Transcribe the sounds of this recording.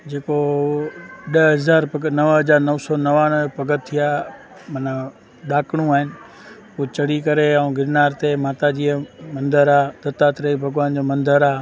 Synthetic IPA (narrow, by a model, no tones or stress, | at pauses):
d͡ʑeːko | ɗəɦɐzaːɾɡnɐʋɦɐzaːɾnɐʋsɔːnɐʋãːnpɐɡət̪ʰːija | mɐnə | ɗaːkɽ̃ũaːɦɪnɪ̆ | ut͡ɕɐɽikɐɾeaũɡɪɾnaːɾt̪emaːt̪ad͡ʑiːəmɐ̃nd̪əɾaːd̪ɐt̪at̪ɾəibʱɐɡʋaːnd͡ʑoːmɐ̃nd̪əɾaː